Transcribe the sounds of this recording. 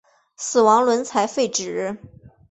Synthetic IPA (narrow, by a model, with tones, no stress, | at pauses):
sɹ̩˨˩wɑ˧˥ŋlwə˧˥nt͡sʰa˧˥ɪfe˥˩ɪʈ͡ʂɻ̩˨˩˦